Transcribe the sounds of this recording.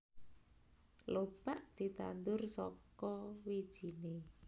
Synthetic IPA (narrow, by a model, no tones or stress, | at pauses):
lob̥aʔd̪̥i̤t̪a̰nd̪ʊrsɔkɔwid̥ʒ̥i̤ne